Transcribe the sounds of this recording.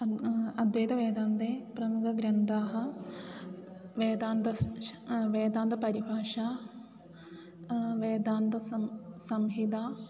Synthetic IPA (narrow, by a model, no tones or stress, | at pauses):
ɐd̪ʋeːt̪ɐʋeːd̪aːnt̪eːpɾɐmukʰɐɡɾɐnt̪aːɦɐ̆ | ʋeːd̪aːnt̪ɐ | ʋeːd̪aːnt̪ɐpɐɾibʱaːʂaː | ʋeːd̪aːnt̪ɐsɐsɐmɦid̪aː